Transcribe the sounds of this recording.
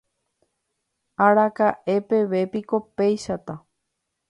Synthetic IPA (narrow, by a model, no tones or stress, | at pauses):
aɾakaʔe̞pe̞ʋe̞piko̞pe̞jʃat̪a